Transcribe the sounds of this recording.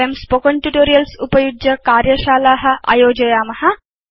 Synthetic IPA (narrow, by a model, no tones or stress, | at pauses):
ɐmspokoɳʈjuʈoːɾijɐlsupɐjud͡ʒjɐkaːɾjɐʃaːlaːɦɐ̆ʔɐ̰joːd͡ʒɐjaːmɐhɐ